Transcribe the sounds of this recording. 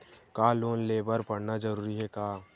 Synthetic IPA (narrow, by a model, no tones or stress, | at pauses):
kaːloːnleːbəɾpəɽnad͡ʒəɾuːɾiɦɛkaː